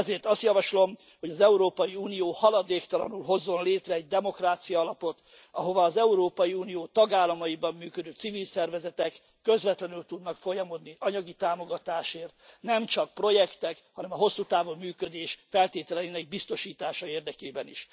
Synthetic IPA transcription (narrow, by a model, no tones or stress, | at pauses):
ɛzeːrt̪ɒst̪jɒvɒʃlo̞m | ho̞ɟɒzɛuɾoːpɒjiuːnijoːhɒlɒd̪eːkt̪ɒlɒ̰nulɦo̞zːo̞nleːt̪rɛːɟ̚d̪ɛmo̞kraːt̪sijɒːlɒpo̞t̪ | ɒɦo̞vɒːzɛuɾoːpɒjiuːnijoːt̪ɒɡaːlːɒmɒjibɒmːyːkød̪øːt̪sivilsɛrvɛzɛt̪ɛkːø̞zvɛt̪lɛnylt̪ud̪nɒkfo̞jɒmo̞d̪niʔɒɲɒɡit̪aːmo̞ɡɒt̪aːʃeːrt̪nɛmt͡ʃɒk̚pro̞jɛkt̪ɛkhɒnɛmɒɦo̞sːuːt̪aːvomːyːkø̞d̪eːʃfɛlt̪eːt̪ɛlɛinɛɡ̚bist̪o̞ʃiːt̪aːʃɒeːrd̪ɛkeːbɛniʃ